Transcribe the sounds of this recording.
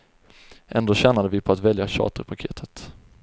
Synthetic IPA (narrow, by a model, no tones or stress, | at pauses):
ʔɛnd̪oːɕɛnad̪əvɪpʰɔat̪vɛljaɕɑ̰ːt̪əɾpʰakʰeːt̪ʰə̥t̪